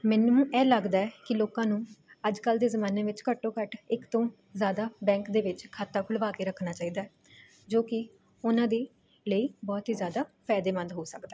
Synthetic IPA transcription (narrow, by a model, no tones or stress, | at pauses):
mɛ̃ːnːũːʔɛːləɡd̪aːɛːkɪloːkãːnũːəd͡ʒkəld̪eːzəmãːneːʋɪt͡ʃkəʈːõːkəʈɪkt̪õː | zjaːd̪aːbɛ̃ːŋkd̪eːʋɪt͡ʃkʰaːt̪aːkʰʊlʋaːkeːɾəkʰnaːt͡ʃaːiːd̪aːɛː | d͡ʒoːkɪ | ʊnãːd̪eː | ləiːbɔːt̪ɦiːzjaːd̪aːpʰɛːd̪eːmə̃nd̪ɦoːsəkd̪aː